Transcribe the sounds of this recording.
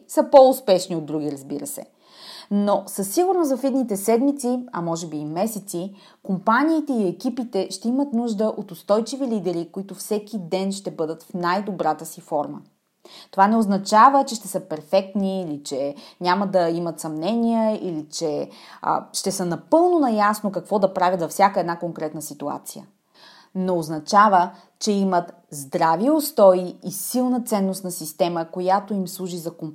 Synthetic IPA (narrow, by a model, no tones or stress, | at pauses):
səpoʊspɛʃniod̪ːɾuɡ̟ʲiɾəzbiɾəsɛ̰ | nosəsːiɡuɾnozɐfid̪nit̪ɛsɛd̪mit̪siɐmɔʒɛbiːmɛsɛt̪si | kompanʲiːt̪ɛiɛkipit̪ɛʃt̪ɛimət̪nuʒd̪əʔot̪ʊst̪ɔjt͡ʃivilid̪ɛɾikoit̪ʊfsɛkʲid̪ɛnʃt̪ɛbɤd̪ət̪fnajd̪obɾat̪əsifɔɾmə̰ | t̪ovanɛoznɐt͡ʃavət͡ʃɛʃt̪ɛsəpɛɾfɛk̚t̪niːlit͡ʃɛɲʲaməd̪ɐimɐt̪sɐmnɛnʲijɛḭlit͡ʃɛ̰ | ʃt̪ɛsənɐpɤlˠnonɐjasnokɐkvɔd̪ɐpɾavʲjət̪zɐfsʲakəɛd̪nakoŋkɾɛt̪nəsit̪ua̰t̪sijə̰ | noːznɐt͡ʃavə | t͡ʃɛimət̪ | zd̪ɾaviost̪ɔiisilˠnət̪sɛnːost̪nɐsist̪ɛməkojat̪oimslˠuʒizɐkom